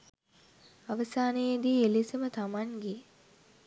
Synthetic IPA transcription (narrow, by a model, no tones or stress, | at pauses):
aʋəsaːnejed̪iːelisəmət̪amaŋɡe